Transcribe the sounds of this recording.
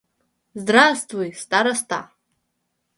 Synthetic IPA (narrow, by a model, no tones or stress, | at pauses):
zdrastʼvujst̪aɾast̪ʰa̰